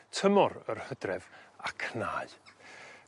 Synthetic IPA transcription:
tʰəmɔɾə̰rhədrɛvakʰnaːɨ

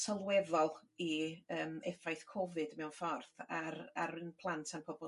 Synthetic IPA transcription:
səlˠwɛðɔlˠiəːmɛfajθkʰɔvɨdmɛwnfɔrθaɾaɾɨnpʰlˠantʰanpʰɔbɔ

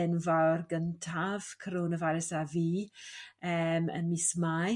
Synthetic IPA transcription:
ɛnvawrɡəntʰav̥kʰəɾonəvaɾɪsaviː | əmə̰nmisma

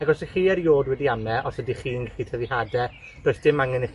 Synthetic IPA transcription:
aɡɔsiχiːɛɾjoːdwɛdiamnɛʔɔsɛdiχiːnɡχitʰəðihadɛ | d̥ojsd̥ɪmaŋɪnɛ

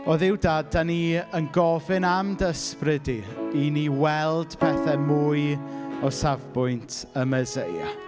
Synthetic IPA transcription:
ɔðɪwdadaniənɡɔvɪnamdəsprɪdiiniwɛlˠd̥pʰɛθɛmuːɨjɔsavbʊjntʰəməzeja̰

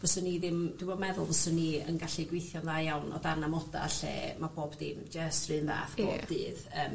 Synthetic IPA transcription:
v̥ɔsəniðɪmd̥wiboːdmɛðʊlˠvɔsənːiənɡaɬiɡwejθjɔmðajawnɔ̰danamɔda̰ɬḛːmaboːbdɪmd͡ʒəstrɨːnða̰ːfb̥o̰ːbdɨːðəːm

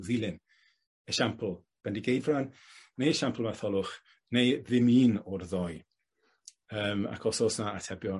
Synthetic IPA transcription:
ðilˠɨn | əʃampʰlˠ | b̥ɛndiɡejdvran | nejəʃampʰl̩ˠmaθɔlˠʊχ | nejðɪmiːnɔrðɔj | əːma̰kʰɔsɔːsnaatʰɛbjɔ

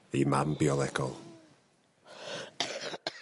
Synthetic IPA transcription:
ejmambiɔlˠɛɡɔ̰lˠ

